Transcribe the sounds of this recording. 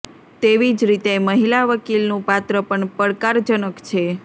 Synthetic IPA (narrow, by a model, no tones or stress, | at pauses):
t̪eʋid͡ʒɾit̪eməɦilaʋəkilnũpat̪ɾəpəɳpəɽkaɾd͡ʒənəkt͡ʃʰe